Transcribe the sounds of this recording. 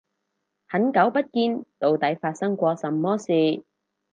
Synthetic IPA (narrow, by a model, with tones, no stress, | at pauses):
hɐ˨˥nkɐ˨˥wpɐ˥t̚kiː˧nt̪o˨wt̪ɐ˨˥jfaː˧t̚sɐ˥ŋkʷɔː˧sɐ˨mːɔː˥siː˨˧